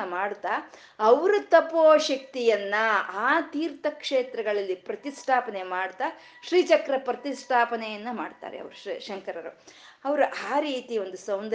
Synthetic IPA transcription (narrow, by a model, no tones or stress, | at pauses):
ɐmaːɽt̪a | ɐʋɐɾɐt̪ɐpoːʃɐkt̪ijɐnːɐaːt̪iːɾt̪ɐkʂeːt̪ɾɐɡɐɭɐlːipɾɐt̪isʈʰaːpɐne̞maːɽt̪a | ʃɾiːt͡ʃɐkɾɐpɾɐt̪isʈʰaːpɐnɛjɐnːɐmaːɖt̪a̰ːɾḛɐ̰ʋɐɾuʃɐŋkɐɾɐɾu | ɐʋɐɾuʔaːɾiːt̪io̞nd̪usɐwnd̪